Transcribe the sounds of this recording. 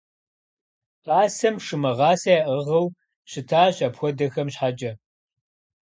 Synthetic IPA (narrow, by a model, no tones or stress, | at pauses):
qaːsɐmʂɨmɐʁɑːsɐɛʔəʁɐw | ɕɪtʰaːɕɐpxʷɔdɐxɐmɕħad͡ʒʼɐ